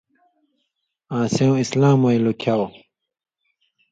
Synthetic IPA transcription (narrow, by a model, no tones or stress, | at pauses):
ãːsẽw̃islãːmojlokʰaw